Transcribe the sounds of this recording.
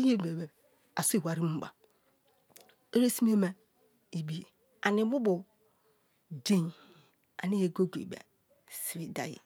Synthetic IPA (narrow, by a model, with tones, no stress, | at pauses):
i˦je˦˨e˨be˨ | a˨su˦i˨wa˨ɾi˦mu˦ba̰˨ | e˦ɾe˦si˦m˦e˦mɛ˨ | i˨bi˦je˨ | a˨ni˨bu˦bu˨ | de˦ɲ˨ | a̰˨ni˦je˨ɡo˦ɡo˨ba̰˨ | si˨wi˨da̰˨jḭ˨